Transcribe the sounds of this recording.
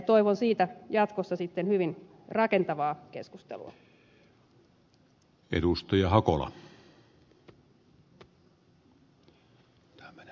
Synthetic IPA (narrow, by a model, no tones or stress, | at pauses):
t̪oiʋonsiːt̪æjɑt̪kosːɑsit̪ːenhyʋin | rɑkent̪ɑʋɑːkeskust̪ḛlṵɑ̰ | ḛdust̪ɑjɑhɑkolɑ̰